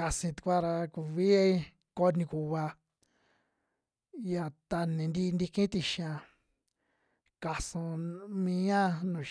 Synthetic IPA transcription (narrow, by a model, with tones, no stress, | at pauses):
ka˧sĩ˧t̪u̥˧kʷa˦ɾa˧ku˨βi˦e˦i˦ | ko˧nĩ˧ku˨βa˧ | ja˨t̪a˧nĩ˨nd̪i˦˧nd̪i˧kĩ˦t̪i˧ʃã˧ | ka˧sũ˧mĩ˧ɲã˦nũ˨